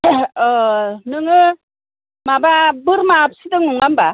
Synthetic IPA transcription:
nɯŋɯ | mababɯɾmap̚sidɯŋnuŋɡamba

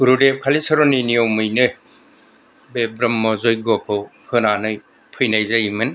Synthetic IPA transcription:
uɾudekʰalisɯɾɔninijɔmɯjnɯ | bebɾɯmːɔzɔjɡɔpʰɯw | hɯnanɯj | pʰɯjnajzajmɯn

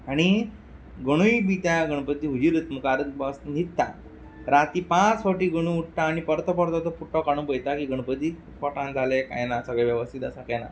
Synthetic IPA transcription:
aɽ̃i | ɡəɽ̃ujbit̪jaɡəɽ̃pət̪ːiːɦud͡ʑiɾət̪məkaɾət̪basnit̪ːa | ɾat̪iːpãt͡sfoʈiːɡəɽ̃uuʈʈ̪aːñipəɾt̪əpəɾt̪ɔt̪ɔpuʈːɔkaɽ̃ũbəjt̪akiːɡəɽ̃pət̪ːiː | fɔʈãnd͡zʱaleka̰jnasəɡɭaʋjəʋəst̪ʰit̪asakana̰

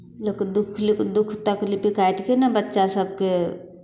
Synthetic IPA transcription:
lokd̪ukʰlikd̪ukʰt̪əklipikaiʈkenabətːʃasəb̚ke

